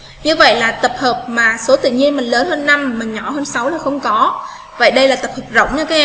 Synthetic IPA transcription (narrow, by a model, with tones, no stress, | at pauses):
ɲɨ˧və̰˧˨jlaː˨˩t̪ə˨˩p̚həː˨˩p̚maː˨˩so˨˦t̪ɨ̰˧˨ɲi˧ənmï˨˩ŋ̟ləː˨˦nhəː˧nːa˧mmä˨˩ŋɲɔ˧˩ɦəː˧nsa˨˦wlaː˨˩xə˧wŋ͡mkɔ˨˦ | və̰˧˨jɗə˧jlaː˨˩t̪ə˨˩p̚həː˨˩p̚zə̰˧˨wŋ͡mɲaː˨˧˦kaː˨˦ʔɛ˧